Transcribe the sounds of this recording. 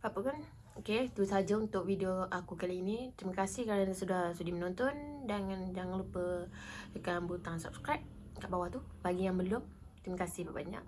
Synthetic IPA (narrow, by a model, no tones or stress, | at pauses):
papəkan | oket̪usad͡ʒaunt̪ʊk̚widioʔakukalainit̪ɾiməkasɪhkaɾansudahsudimənɔnt̪ɔndaŋand͡ʒaŋaŋlupə | dəkanbut̪asap̚skɾap̚ | kaʔbawaht̪ubaɡijaŋbəlʊm | t̪ɾimakasɪhpabaɲa̰ʔ̚